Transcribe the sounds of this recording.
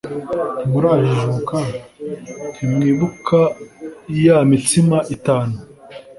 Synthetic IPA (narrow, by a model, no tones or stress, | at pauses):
muɾaʒiʒuka | imŋiːβukʰa | jamitimaʔitaːnu